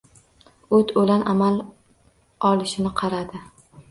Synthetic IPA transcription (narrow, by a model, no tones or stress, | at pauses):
ɵt̪ʰolanʔamal | ɒlɪʃɪnɪqʰɑɾad̪ɪ